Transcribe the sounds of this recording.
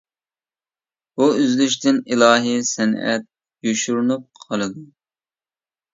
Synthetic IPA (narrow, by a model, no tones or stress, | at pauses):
buyzlyʃt̪ɪnilˠɑːɦisɛnɛ̰t̪̚ | joʃuɾnup̚qʰɑlˠɨd̪u